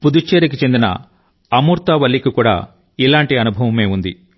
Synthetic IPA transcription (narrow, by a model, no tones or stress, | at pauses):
pud̪ut͡ʃːeːɾik̬it͡ʃend̪inɐ̰ | ɐmuːɾt̪ɐʋɐlːikikuːɽa̰ː | ilaːɳʈiɐnubʱɐʋɐme̞ːund̪ḭ